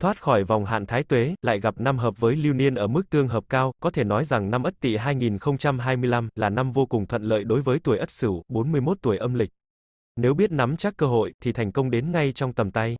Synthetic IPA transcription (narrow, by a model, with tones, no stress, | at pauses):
t̪ʰwaː˦˥t̚xɔ˧˩jva˨˩wŋ͡mɦa̰ː˧˨nt̪ʰaː˨˦jt̪we˨˦la̰ː˧˨jɣa˨˩p̚na˧mɦəː˨˩p̚vəː˨˦jli˧wni˧ənʔəː˧˩mɨ˦˥ək̚t̪ɨ˧əŋɦəː˨˩p̚kaː˧wkɔ˨˦t̪ʰe˧˩nɔ˨˦jza˨˩ŋna˧mʔə˦˥t̚t̪ḭ˧˨ɦaː˧jŋi˨˩nxə˧wŋ͡mt͡ɕa˧mɦaː˧jmɨ˧əjla˧mlaː˨˩na˧mvo˧kʊ˨˩ŋt̪ʰwə̰˧˨nlə̰ː˧˨jɗo˨˦jvəː˨˦jt̪u˧˩əjʔə˦˥t̚sɨ˧˩ɓo˨˦nmɨ˧əjmo˦˥t̚t̪u˧˩əjʔə˧mlï˨˩k̟̚ | ne˨˦wɓi˦˥ət̚na˨˦mt͡ɕaː˦˥kːəː˧ɦo̰˧˨jt̪ʰi˨˩t̪ʰɛ˨˩jŋ̟kə˧wŋ͡mɗe˨˦nŋa˧jt͡ɕɔ˧wŋ͡mt̪ə˨˩mt̪a˧j